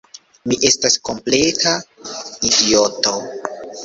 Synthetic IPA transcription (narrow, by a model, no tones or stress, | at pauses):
miʔe̞stasko̞mple̞taidio̞to̞